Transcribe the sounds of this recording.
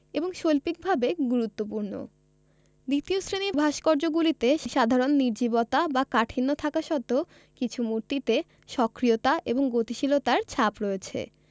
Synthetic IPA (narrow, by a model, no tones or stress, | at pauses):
eboŋʃolpik̚bʱabeɡuɾut̪ːopuɾno̰ | d̪it̪iosɾenibʱaʃkɔɾd͡ʑoɡulit̪eʃʃad̪ʱaɾonːiɾd͡ʑibot̪abakaʈʰinːot̪ʰakaʃɔt̪o | kit͡ɕʰumuɾt̪it̪e | ʃɔkɾijot̪aʔeboŋɡot̪iʃilot̪aɾt͡ɕʰapɾoet͡ɕʰḛ